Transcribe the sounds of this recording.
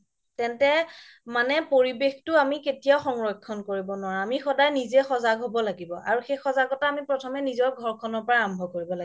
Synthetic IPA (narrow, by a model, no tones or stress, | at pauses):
tɛntɛ | manɛpoɹibextʊamiketijaʊxɔŋɹɔjkʰːɔnkoɹibɔnʊwaɹaamixɔdajnizɛxɔzaɡɦobɔlaɡibɔʔa̰ɹuxejxɔzaɡɔtaːmipɹɔtʰɔmɛnizɔɹɡʱɔɹkʰɔnɔɹpɔɹaambʱɔkoɹibɔlaɡ